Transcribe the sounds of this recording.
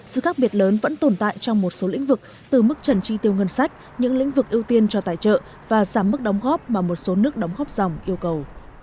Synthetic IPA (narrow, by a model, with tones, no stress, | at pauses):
sɨ̰˧˨xaː˦˥k̚ɓi˨˩ət̚ləː˨˦nvə̰˧˥nt̪o˨˩nt̪a̰ː˧˨jt͡ɕɔ˧wŋ͡mmo˨˩t̚so˨˦lḭ˧˥ŋ̟vɨ˨˩k̚ | t̪ɨ˨˩m˦˥k̚t͡ɕə˨˩nt͡ɕi˧t̪i˧˩əwŋə˧nsa˦˥jk̟̚ | ɲɨ̰˧˥ŋlḭ̈˧˥ŋ̟vɨ˨˩k̚ʔi˧əwt̪i˧ənt͡ɕɔ˧t̪a̰ː˧˨jt͡ɕə̰ː˧˨ | vaː˨˩zaː˧˩mːɨ˦˥k̚ɗɔ˨˦wŋ͡mɣɔ˦˥p̚maː˨˩mo˨˩t̚so˨˦nɨ˦˥ək̚ɗa˨˦wŋ͡mɣɔ˦˥p̚z̥a˨˩wŋ͡mʔi˧əwkə˨˩w